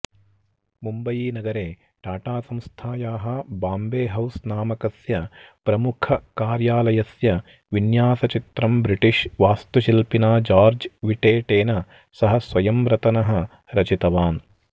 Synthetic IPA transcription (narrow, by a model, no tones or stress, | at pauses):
mumbɐjiːnɐɡɐɾeː | ʈaːʈaːsɐmst̪ʰaːjaːɦɐbaːmbeːɦɐwsnaːmɐkɐsjɐpɾɐmukʰɐkaːɾjaːlɐjɐsjɐ | ʋinjaːsɐt͡ʃit̪ɾɐmbɾiʈiʃʋaːst̪uʃilpinaːd͡ʒaːɾd͡ʒʋiʈeːʈeːnɐ | sɐɦɐsʋɐjɐmɾɐt̪ɐnɐɦɐ̆ | ɾɐt͡ʃit̪ɐʋaːn